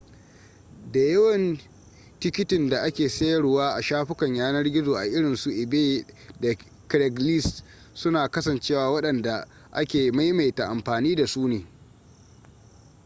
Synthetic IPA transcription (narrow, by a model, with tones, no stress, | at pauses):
da˨jɐ˦wɐ˨n | tɪ˦kʲɪ˦tɪ˨nda˨ʔa˦kʲeː˨sɐ˦jɐ˨˦ɽwaː˦ʔa˨ʃaː˦ɸɪ˦kɐ˨ɲjaː˦nɐ˦rɡʲɪ˦zoː˨ʔa̰˨ʔɪ˦ɽɪ˨nsu˨ʔɪ˨beː˦dɛ˨ | kɾɛ˨ɡli˦s | sʊ˦naː˨kɐ˦sɐ˨nt͡ʃeː˦waː˨wɐ˦ɗɐ˨nda˨ | ʔa̰˦kʲeː˨ma˦jma˨jta˨ʔa˨mɸaː˨niː˦da˨suː˦neː˨